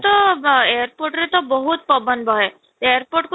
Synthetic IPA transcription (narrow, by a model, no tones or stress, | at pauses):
t̪ɔejəɾpoɾʈɾet̪ɔbɔɦut̪̚pɔbənbʱɔɦe | eəɾpoɾʈku